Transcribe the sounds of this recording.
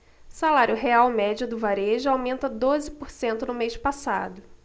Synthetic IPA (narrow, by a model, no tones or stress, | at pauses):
salaɾjʊɦeawmɛd͡ʒʊd̪ʊvaɾeʒʊawmẽnt̪ɐd̪ozɪpoɾsẽnt̪ʊnʊmeʃpasa̰d̪ʊ